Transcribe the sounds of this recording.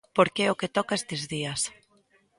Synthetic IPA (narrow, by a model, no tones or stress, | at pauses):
poɾkeʊket̪ɔkaest̪ɪzðiɐs